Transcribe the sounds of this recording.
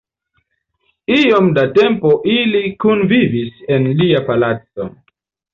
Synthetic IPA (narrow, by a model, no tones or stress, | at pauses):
iomdate̞mpoʔilikunvivise̞nliapalat͡so̞̰